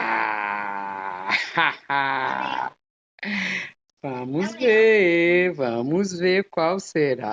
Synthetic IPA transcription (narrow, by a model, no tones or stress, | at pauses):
a̰ | aa | vɐ̃mʊzveɾvɐ̃mʊzveɾkwawseɾa̰